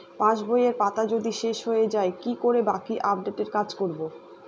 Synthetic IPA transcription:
pãʃbʱojeɾpat̪ad͡ʑod̪iʃeʃɦojed͡ʑaekikoɾebakiʔap̚ɖeʈeɾkad͡ʑkoɾbo

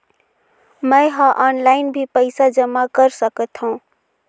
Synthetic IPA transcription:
məɪɦãʔɔːnlaɪnbʱipəɪsad͡ʒəmakəɾsəkət̪ɦũ

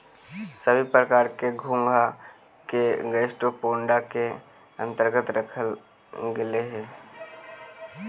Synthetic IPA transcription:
səbʱipɾəkaːɾkeɡʱũŋɡʱa | keɡəʃʈopoːɳɖake | ə̰̃nt̪əɾɡət̪ɾəkʰəl | ɡɪleɦɛ̃ː

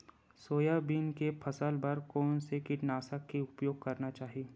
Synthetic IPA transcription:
soːjabiːnkepʰɐsəlbɐɾkɔːnsekɪʈnaːsəkːeʊpjoːɡ̚kɐɾnat͡ʃaːɦiieː

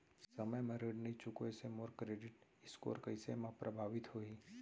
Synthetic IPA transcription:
sɐməjmɛ̃ɾəɖnəit͡ʃʊkoɛsemoːɾkɾeːɖɪʈɪsko̰ːɾkɐɪsemãpɾʔɐbʱaːʋɪt̪ɦoːiː

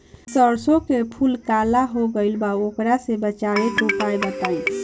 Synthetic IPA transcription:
səɾsokepʰulkalaɦoɡəɪlbaokɾasebət͡ʃaɾeʈopajbət̪aj

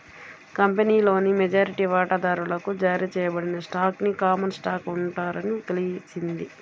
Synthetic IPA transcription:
kɐmpeniːlo̞ːnimɛd͡ʒaːɾiʈiːʋaːʈad̪aːɾulɐkud͡ʒaːɾiːt͡ʃɛːjɐbɐɽinɐsʈaːknikaːmɐnsʈaːkuɳʈaːɾɐnit̪elit͡ʃind̪i

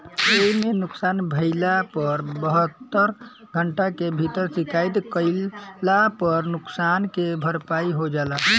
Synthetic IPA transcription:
eɦimenʊksanbʱəɪlapəɾbəɦət̪ːəɾ | ɡʱəɳʈakebʱit̪əɾsikajt̪kəɪlapəɾnuksankebʱəɾpaiɦod͡ʒala

